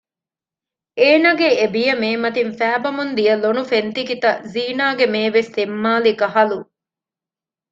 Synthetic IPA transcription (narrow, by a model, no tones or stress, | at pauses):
eːnɐɡeebijɐmeːmɐt̪infæːbɐmund̪ijɐlonufent̪ikit̪ɐziːnaːɡemeːʋest̪emːaːlikɐɦɐlu